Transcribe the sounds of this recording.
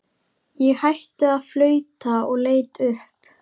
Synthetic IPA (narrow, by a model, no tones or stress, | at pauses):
jɛɣhajht̪ʏaðflœːɥt̪aɔɣleːjt̪ʏhp